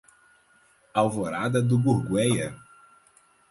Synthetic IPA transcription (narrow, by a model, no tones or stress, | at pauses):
awvoɾad̪ɐd̪ʊbuɾɡwɛjɐ